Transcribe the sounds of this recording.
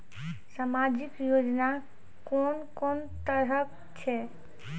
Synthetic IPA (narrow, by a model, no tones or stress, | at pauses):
samad͡ʒikjod͡ʒna | kɔnkɔnt̪əɾək | t͡ʃʰɛ